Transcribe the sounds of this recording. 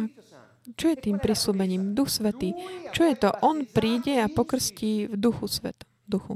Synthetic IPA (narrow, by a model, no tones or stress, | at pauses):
a | t͡ʃɔjɛt̪iːmpɾisluːbɛɲiːmd̪uxsʋɛt̪iːt͡ʃɔjɛt̪ɔʔɔnpɾiːɟɛapɔkr̩sciːvd̪uxusʋɛ̰t̪ | d̪uxṵ